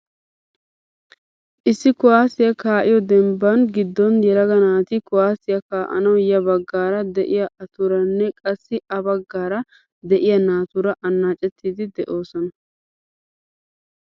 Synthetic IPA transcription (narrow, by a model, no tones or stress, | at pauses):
ʔɪsːɪkʊwaːsɪjɐkaːʔɪjɔd̪ɛmbːɐnɡɪd̪ːɔnjɛlɐɡɐnaːt̪ɪkʊwaːsɪjɐkaːʔɐ̰nɐwjɐbɐɡːaːɾɐd̪ɛʔɪjɐʔɐt̪ʊɾɐnːɛkʼɐsːɪʔɐbɐɡːaːɾɐ | d̪ɛʔɪjɐnaːt̪ʊɾɐʔɐnːaːt͡ʃʼɛt̪ʰːiːd̪ɪd̪ɛʔoːsɔnɐ